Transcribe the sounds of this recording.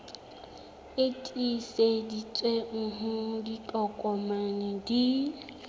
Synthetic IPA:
etʼisedit͡sʼweŋ̩ɦʊdit͡ɬʼɔkʼɔmanɪdi

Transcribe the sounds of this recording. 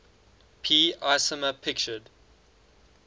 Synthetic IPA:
pʰiːaɪsəməpʰɪkt͡ʃəd

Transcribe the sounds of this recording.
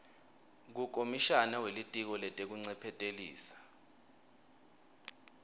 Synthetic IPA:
k̬uk̬ʼomiʃanawelitʼik̬ɔlɛtʼek̬uŋ͡ǀɛpʰɛtʼelḭːsḁ

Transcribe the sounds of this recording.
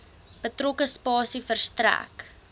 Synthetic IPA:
b̥ətrokəspɑːsifərstræ̰k

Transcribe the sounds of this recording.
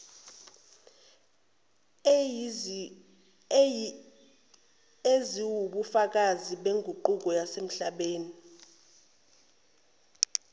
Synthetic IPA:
eziwuɓufak̬aziɓeŋɡʱuǃuk̬ɔjasem̩ɬaɓeːni

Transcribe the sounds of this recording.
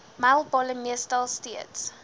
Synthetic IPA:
malˠbɔləmiəstalˠsteəts

